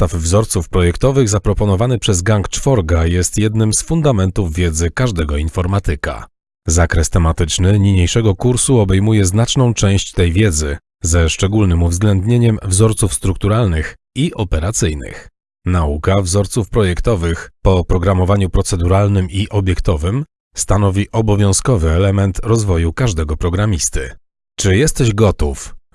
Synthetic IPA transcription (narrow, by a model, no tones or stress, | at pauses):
t̪avvzɔɾt̪sufpɾɔjɛkt̪ɔvɘɣzapɾɔpɔnɔvanɘpʂɛzɡaŋkt͡ʂfɔɾɡajɛst̪jɛd̪nɘmsfund̪amɛnt̪uvːʲjɛd̪zɘkaʐd̪ɛɡɔinfɔɾmat̪ɘka̰ | zakɾɛst̪ɛmat̪ɘt͡ʂnɘɲiɲejʂɛɡɔkuɾsuɔbɛjmujɛznat͡ʂnɔ̃w̃t͡ʂɛ̃w̃ɕt͡ɕt̪ɛjvʲjɛd̪zɘ | zɛʂt͡ʂɛɡulnɘmuvzɡlɛnd̪ɲeɲɛmvzɔɾt̪sufst̪ɾuk̚t̪uɾalnɘx | iʔɔpɛɾat̪sɘjnɘ̰x | naukavzɔɾt̪sufpɾɔjɛkt̪ɔvɘxpɔpɾɔɡɾamɔvaɲupɾɔt̪sɛd̪uɾalnɘmiʔɔbʲjɛkt̪ɔvɘm | st̪anɔvʲiʔɔbɔvʲjɔ̃w̃skɔvɘɛlɛmɛnt̪ɾɔzvɔjukaʐd̪ɛɡɔpɾɔɡɾamʲist̪ɘ̰ | t͡ʂɘjɛst̪ɛʑɡɔt̪uf